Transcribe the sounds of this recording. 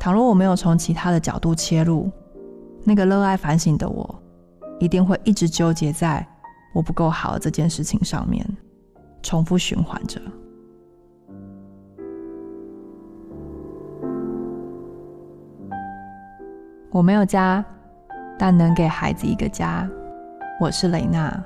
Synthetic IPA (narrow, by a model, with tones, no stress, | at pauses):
t̪ʰɑ˨˩ŋlɔ˥ŋwɔ˨˩me˧˥ɪjo˨˩ʊt͡sʰo˧˥ŋt͡ɕʰi˧˥t̪ʰa˥d̪ə˨t͡ɕjɑ˨˩ʊt̪u˥˩t͡ɕʰjɛ˥lṵ˥˩ | na˥˩ɡə˨lɤ˥˧a˥˩ɪfa˧˥nɕi˨˩ŋd̪ə̰˦wʔɔ̰˨˩˦ | i˧˥t̪i˥˧ŋxwe˥˧ɪʔi˥˩ʈ͡ʂɻ̩˧˥t͡ɕjo˥ʊt͡ɕjɛ˨˥t͡sa˥˩ɪwɔ˨˩pu˧˦˥ko˥˩ʊxɑ˨˩ʊd̪ə̰˩ʈ͡ʂɤ˥˧t͡ɕjɛ˥˧˨nʂɻ̩˥˩t͡ɕʰi˧˩˦ŋʂɑ̰˥˧ŋmjɛ̰˥˩n | ʈ͡ʂʰʊ˧˥ŋfu˥ɕy̰˧˥nxwa̰˧˦nʈ͡ʂə˨ | wɔ˨˩me˧˥ɪjo˨˩ʊt͡ɕja˥ | t̪a˥˩nnə˧˥ŋke˨˩ɪxa˧˥ɪd͡zɹ̩˧ḭ˧˥ɡə̰˧t͡ɕja˥ | wɔ˨˩ʂɻ̩˥˩le˨˩ɪna̰˥˩